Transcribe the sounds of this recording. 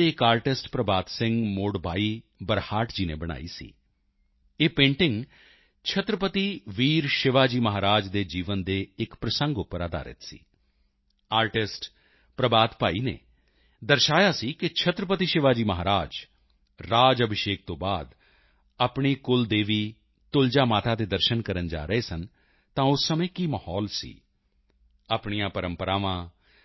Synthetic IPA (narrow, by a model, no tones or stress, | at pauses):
eɪkaːɾʈɪsʈpɾəbaːt̪sɪ̃ŋɡmoːɽbaːiːbəɾhaːʈd͡ʒiːnḛːbəɽ̃a̰ːḭːsḭː | eːpẽːɳʈɪ̃ŋɡ | t͡ʃʰət̪ɾəpət̪iːʋiːɾʃɪʋaːd͡ʒiːməɦaːɾaːd͡ʒd̪eːd͡ʒiːʋənd̪eːɪkpɾəsə̃ŋɡʊpːəɾaːd̪a̰ːɾɪ̰t̪sḭː | aːɾʈɪsʈ | pɾəbaːt̪paːiːnḛː | d̪əɾʃaːjaːsiːkɪt͡ʃʰət̪ɾəpət̪iʃɪʋaːd͡ʒiːməɦaːɾaːd͡ʒ | ɾaːd͡ʒəbʱɪʃeːk̚t̪õːbaːd̪ | aːpɳiːkʊld̪eːʋiː | t̪ʊld͡ʒaːmaːt̪aːt̪eːd̪əɾʃənkəɾənd͡ʒa̰ːɾəeːsən | t̪ãːʊsːəmẽːkiːməhɔːlsḭː | aːpɳijãːpəɾəmpəɾaːʋãː